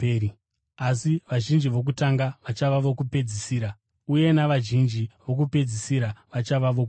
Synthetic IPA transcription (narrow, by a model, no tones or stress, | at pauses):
asiʋaʒind͡ʒiʋo̞k̬utaŋɡaʋat͡ʃaʋaʋo̞kupe̞d͡zisiːɾa | uje̞naʋaʒind͡ʒiʋo̞k̬upe̞d͡zisiɾaʋat͡ʃaʋaʋo̞ku